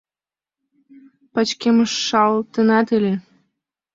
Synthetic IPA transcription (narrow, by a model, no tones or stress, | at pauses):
pɑt͡ɕkʲeməʃːɑlt̪ənɑt̪ɨlʲe